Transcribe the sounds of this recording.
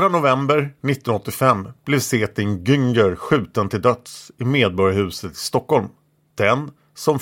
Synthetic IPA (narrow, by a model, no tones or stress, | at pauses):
ɾanʊvɛmbəɾnɪt̪ːɔnɔt̪ːɪfɛmːb̥lɛvseːt̪ɪŋɡʏŋɡəɾɧʉ̟ːt̪ənt̪ʰɪld̪œt̪sɪmeːd̪̚bɔɾjahʉ̟ːsət̪ɪ̥st̪ɔkːɔlm | d̪̥ɛn | sɔm